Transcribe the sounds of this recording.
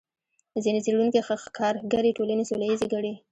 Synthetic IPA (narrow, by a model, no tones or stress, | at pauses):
əzinet͡seɽunkexəxkʰɑɾɡaɾeʈolanesolajizeɡaɽe